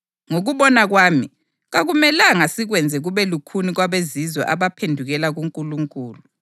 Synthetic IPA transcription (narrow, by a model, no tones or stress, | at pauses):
ŋoɣuβɔnaɣwaːmi | ɣaɣumɛlaŋasiɣwɛnd͡zʱɛɣuβɛlukʰuniɣwaβezizwɔ̰ʔaβapʰendʱuɣɛlaɣuŋkʼuluŋkʼuːlu